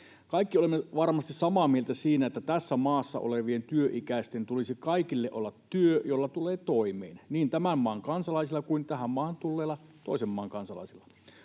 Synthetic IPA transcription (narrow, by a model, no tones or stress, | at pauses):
kɑikːiolemːeʋɑrmɑst̪issɑmɑːmielt̪æsiːnæet̪ːæt̪æsːæmɑːsːɑ̰ʔo̰leʋient̪yøʔikæˑist̪ent̪ulisikɑikilːeʔolːɑt̪ːyøjolːɑt̪uleːt̪oimḛːnniːnt̪æmæmmɑːŋkɑnsɑlɑisilːˑɑkuint̪æhæmmɑːhɑnt̪ulːeːlːɑt̪oˑisemːɑːŋkɑnsɑlɑ̰isilːɑ